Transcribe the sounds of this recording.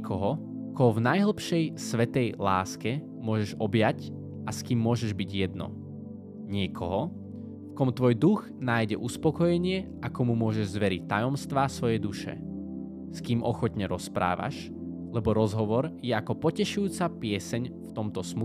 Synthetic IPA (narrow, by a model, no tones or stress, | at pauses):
kʰɔɦɔkɔɦɔvnajɦl̩ˠpʃɛjsʋɛt̪ɛjla̰ːskɛ | mʊɔʒɛʒɔbjac | askiːmːʊɔʒɛʒbiɟjɛd̪nɔ̰ | ɲɪɛkʰɔ̰ɦɔ | fkɔmt̪ʋɔjd̪uɣnaːjɟɛʔuspɔkɔjɛɲɪɛʔakɔmumʊɔʒɛʒzʋɛɾic̚t̪ːajɔmst̪ʋaːsʋɔjɛd̪uʃɛ̰ | skiːmɔxɔt̪ɲɛɾɔspɾa̰ːʋa̰ʃ | lɛbɔɾɔzɦɔʋɔɾjɛakɔpɔcɛʃujuːt͡sapɪɛsɛɲft̪ɔmt̪ɔsmu